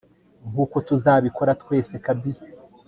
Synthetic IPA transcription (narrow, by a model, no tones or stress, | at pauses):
ŋɡuko̞tuzaːβiko̞ɾatkwe̞ːse̞kabisi̥